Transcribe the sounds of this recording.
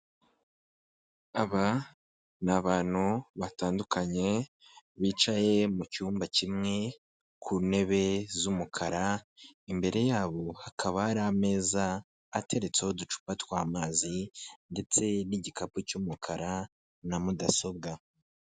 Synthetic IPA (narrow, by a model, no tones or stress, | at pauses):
aβa | naβaːn̥huβataːndukaɲe̞ | βiːt͡ʃaje̞mucuːmbacimŋe̞ | kʰuːne̞βe̞zumukʰaɾaimbe̞ɾe̞jaːβo̞hakʰaβaːɾame̞ːzaː | tʰe̞ɾe̞t͡seho̞dut͡ʃu̥patwaːmaːzinde̞t͡se̞niɟikapucumukʰaɾa | namudaso̞b̚ɡa